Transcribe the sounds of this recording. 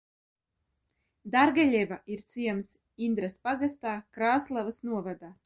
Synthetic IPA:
d̪aɾɡaʎʲɛvaiɾt̪siɛms | ind̪ɾaspaɡast̪aːkɾaːslˠavasnuɔvad̪aː

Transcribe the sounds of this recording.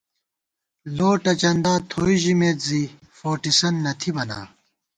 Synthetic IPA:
loːʈɐt͡ɕɐnd̪aːt̪ʰoːiʑimeːt̪zi | foːʈisɐnːɐt̪ʰibɐna̰ː

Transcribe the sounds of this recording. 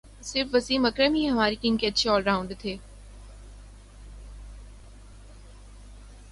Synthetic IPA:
sɪɾfʋɐsiːmɐkɾəmɦiɦɐmaːɾikɪnkeɐtːʃʰeɔːlɾaːʊ̃ɳɖt̪ʰeː

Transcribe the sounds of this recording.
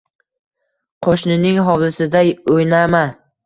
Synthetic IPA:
qʰoʃnɪnɪŋɦɒwlɪsɪd̪ajojnama

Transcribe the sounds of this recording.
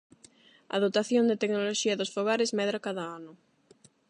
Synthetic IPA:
ɐ̰ðot̪aθjond̪et̪eknoloʃiɐðosfoɣaɾɪzmɛðɾakaðaanʊ

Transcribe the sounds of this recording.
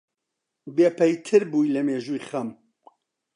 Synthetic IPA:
beːpʰɛjt̪ʰɨɾbuːjlɐmeːʒuːjχɐm

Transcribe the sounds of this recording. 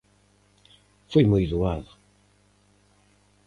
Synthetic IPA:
fojmojðuaðʊ

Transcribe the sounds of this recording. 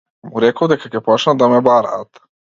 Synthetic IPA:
muɾɛkod̪ɛkakɛpɔt͡ʃnad̪amɛbaɾa̰t̪

